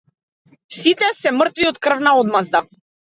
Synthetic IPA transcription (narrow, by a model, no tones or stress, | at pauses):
sit̪ɛsɛmrt̪viɔt̪kr̩vnaɔd̪mazd̪a